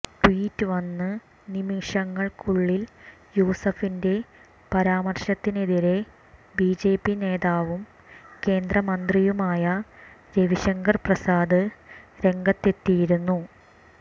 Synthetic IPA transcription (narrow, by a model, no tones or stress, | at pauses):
ʈwiːtːɨʋɐnːɨ | nimiʂɐŋːɐɭkʰuɭːiljuːsɐfinde̞ | pɐɾaːmɐrʂɐt̪ːineðiɾe̞ | biːd͡ʑe̞ːpːine̞ːðaːʋum | ke̞ːnd̪rɐmɐnd̪rijumaːjɐ | de̞ʋiɕɐŋɡɐrprɐsaːd̪ɨɾe̞ŋɡɐt̪ːe̞t̪ːijiɾunːu